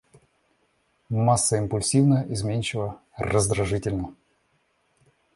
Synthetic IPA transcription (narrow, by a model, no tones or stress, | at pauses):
masːəɪmpʊlʲsʲivnəʔɪzmʲenʲt͡ɕɪlˠə | rəzd̪ɾɐʐɨtʲɪlʲnə